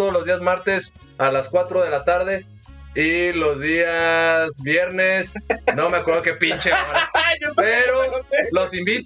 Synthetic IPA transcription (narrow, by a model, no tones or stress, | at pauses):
oolo̞zðiazmaɾt̪e̞s | alaskwat̪ɾo̞ðe̞lat̪aɾðe̞ | ilo̞zðiazβjeɾnesno̞meakweɾðo̞kepint͡ʃe | peɾolo̞simbit̪